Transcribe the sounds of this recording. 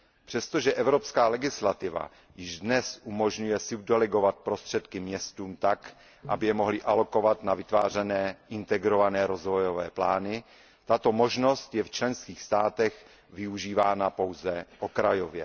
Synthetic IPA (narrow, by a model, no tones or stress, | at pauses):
pr̝̥ɛst̪o̞ʒɛʔɛvɾo̞pskaːlɛɡɪslat̪ɪva̰ | jɪʒdnɛsʔumo̞ʒɲujɛsub̚dɛlɛɡo̞vat̪̚pɾost̪r̝̥ɛt̪kɪmɲɛst̪uːmt̪ak | ʔabɪjɛmo̞ɦlɪʔalo̞ko̞vat̪navɪt̪vaːr̝ɛnɛːʔɪnt̪ɛɡɾo̞vanɛːɾo̞zvo̞jo̞vɛːplaːnɪ | t̪at̪o̞mo̞ʒno̞st̪jɛft͡ʃlɛnskiːxst̪aːt̪ɛx | vɪuʒiːvaːnapo̞wzɛʔo̞kɾajo̞vjɛ̰